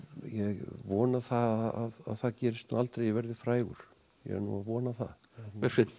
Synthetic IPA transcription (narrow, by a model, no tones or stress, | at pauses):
jɛɣvɔːnaθaaða̰ðθaðcɛːɾɪst̪nṵalt̪ɾejvɛɾðɪfɾaːjɣʏ̰ɾ̥ | jɛ̰nṵavɔːnaθa̰ɛɾfɪt̪n